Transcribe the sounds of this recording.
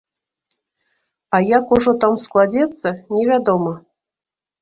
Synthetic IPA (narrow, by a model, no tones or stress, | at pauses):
ajakuʐɔt̪amsklˠad͡zʲɛt̪t͡sːənʲevʲad̪omə